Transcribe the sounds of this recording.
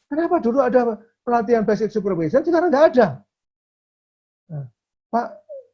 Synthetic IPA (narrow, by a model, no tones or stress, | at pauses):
kənapaduluada | pəlat̪̬ianbɛs̬ɪk̚supərbeizansəkaɾaŋɡaʔːda | ə | paʔ